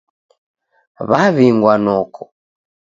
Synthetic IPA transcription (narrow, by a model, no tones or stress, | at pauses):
βaβiŋɡwanɔkɔ